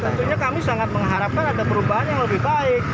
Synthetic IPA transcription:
t̪ət̪uɲakamisaŋat̪̚məŋɦaɾap̚kanadapəɾubaɦanjaŋləbɪhbaɪk

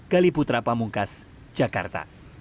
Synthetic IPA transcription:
kaliput̪ɾapamuŋkas | d͡ʒaka̰rt̪a̰

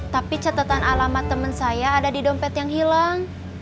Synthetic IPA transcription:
t̪apit͡ʃat̪at̪analamat̪əmənsajaːdadidɔmpɛt̪jaŋɦilaŋ

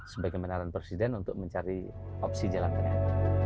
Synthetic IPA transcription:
səbaɡamənaɾanpɾesidɛnunt̪ʊk̚məɲt͡ʃaɾiɔpsid͡ʒəlaŋkana

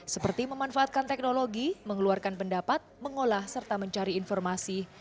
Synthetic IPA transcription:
səpərt̪iməmanfaat̪̚kant̪ɛk̚noloɡiməŋəluarkanpəndapat̪̚məŋolahsərt̪aməɲt͡ʃaɾiːnfɔrmasi

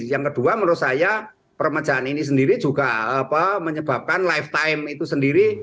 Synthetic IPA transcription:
jaŋkəd̥uaməɾʊsaja | pərməd̥d͡ʒ̥aːninis̬əndiɾi̥d͡ʒuɡ̥aapəməɲəb̥ap̚kanlajft̪aɪmit̪usəndiɾi

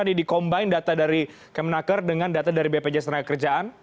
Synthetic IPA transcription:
anidikɔmbaɪndat̪adaɾi | kɛmnakərdəŋandat̪adaɾibeped͡ʒast̪ɾakəkərd͡ʒaʔan

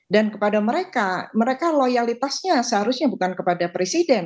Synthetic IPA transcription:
dankəpadaməɾekaməɾekalojalit̪asɲasəɦaɾusɲabukankəpadapɾesidɛn

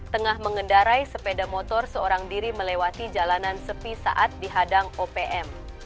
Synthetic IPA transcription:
t̪əŋahməŋəndaɾajsəpedamot̪ɔrsəoɾaŋdiɾiməlewat̪id͡ʒalanansəpisa̰ʔat̪̚diɦadaŋopeʔɛm

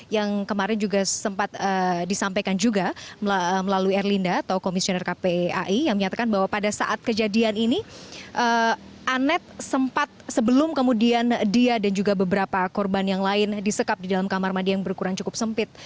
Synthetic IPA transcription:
jaŋkəmaɾɛnd͡ʒuɡasəmpat̪̚ədisampajkand͡ʒuɡa | məlaluiɛrlindaːt̪awkomisionɛrkapea̰ʔijaŋməɲat̪akanbaɦwapadasa̰ʔat̪̚kəd͡ʒadianiniʔəʔanɛt̪̚səmpat̪̚səbəlʊmkəmudiandiadand͡ʒuɡabəbəɾapakɔrbanjaŋlaɪndisəkap̚didalamkamarmadiajaŋbərkuɾaŋt͡ʃukʊp̚səmpɪt̪̚

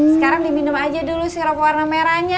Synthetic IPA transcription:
səkaɾaŋdiminəmad͡ʒadulusiɾapowarnameɾaɲa

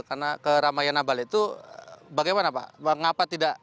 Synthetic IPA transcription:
karnakəɾamajanabalit̪u | baɡajmanapa̰əŋapat̪idaʔ

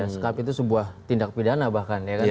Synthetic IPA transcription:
asə̥kapit̪̬usəbuaht̪indak̚pidanabahkanjaka

